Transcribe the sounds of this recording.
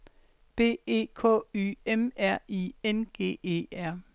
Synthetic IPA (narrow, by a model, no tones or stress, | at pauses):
b̥e̝̰ːe̝̰ːkʰɔ̰̽ːy̰emæɐ̰ienɡ̥e̝̰ːe̝̰ːæɐ̰